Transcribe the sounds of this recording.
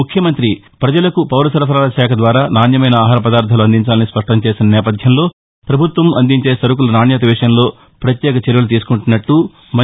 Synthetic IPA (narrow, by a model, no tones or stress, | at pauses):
ukʰjɐmɐnt̪ɾi | pɾɐd͡ʒɐlɐkupɐwɾɐsɐɾɐpʰɐɾaːlɐʃaːkʰɐd̪ʋaːɾaːnaːnjɐmɐjnɐaːɦaːɾɐpɐd̪aːɾt̪ʰɐluɐnd̪iɲt͡ʃaːlɐnispɐʂʈɐmt͡ʃe̞ːsinɐnɛːpɐd̪ʱjɐmlo̞ː | pɾɐbʱut̪ʋɐmɐnd̪iɲt͡ʃe̞ːsɐɾuk̬ulɐnaːnjat̪ɐʋiːʂɐnlo̞ː | pɾɐt̪jɛːkɐt͡ʃɐɾjɐlut̪iːsu̥kuɳʈunːɐʈːu | mɐ